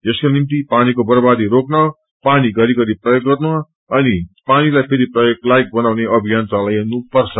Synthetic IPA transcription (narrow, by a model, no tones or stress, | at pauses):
ʌskonimt̪ipanikobʌɾbad̪iɾoknʌ | paniɡʌɾiɡʌɾiprʌjoɡːʌrmʌ | ʌnipanilajpʰeɾiprʌjok̚lajk̚bʌnawneʌbʱijant̪alajenupʌrt͡sʰʌ